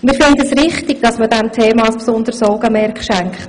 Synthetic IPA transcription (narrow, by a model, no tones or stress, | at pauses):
mɪːɾfɪndəəsɾɪχtɪɡ̥̚d̥ɑsməd̥ɛmtʰɛːmɑɑspsʊnd̥̪əɾsɔːɡəmɛɾkχʃæŋkχt